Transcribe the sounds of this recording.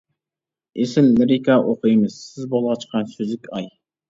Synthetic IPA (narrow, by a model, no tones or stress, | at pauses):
esɪlːɪɾɪkʰɑʔoqʰəjɨmɨz̥sɪzbolˠʁɑt͡ʃʰə̥qʰɑnsøzɪkʲɑj